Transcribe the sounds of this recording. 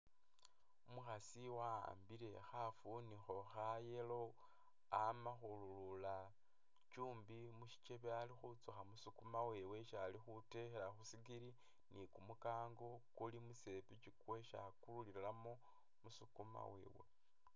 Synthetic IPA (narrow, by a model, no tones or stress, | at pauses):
muxasiwa̰ːmbiɾe̞xafunixo̞xajelo̞ | amaxululula | t͡ʃuːmbimuʃi̥t͡ʃe̞βealixut͡suxamusukumawe̞we̞ʃalixutexeɾaxusikiɾi | nikumukaːŋɡo̞kulimuse̞pit͡ʃikwe̞ʃa̰kululiɾelamo | musukuma̰we̞̰ːwe̞̰